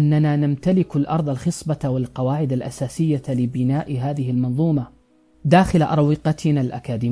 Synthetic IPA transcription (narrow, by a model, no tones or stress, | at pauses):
ʔanːanaːnamt̪alɪkalʔɑɾˤd̪ˤalxɨsˤbɑwɪlqɑwaːʕɪd̪alʔasaːsɪjːalɪbɪnaːʔɦaːðɪɦɪlmɑnðˤuːmɑ | d̪aːxɪlaʔɑ̰ɾˤwɪqɑt̪ʰɪnalʔakaːd̪iː